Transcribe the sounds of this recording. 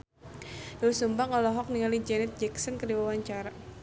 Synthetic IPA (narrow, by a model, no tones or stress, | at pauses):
ausumbaŋɔlɔɦɔk̚niŋalid͡ʒɛnɛt̪̚d͡ʒɛksənkədiwawaɲt͡ʃaɾa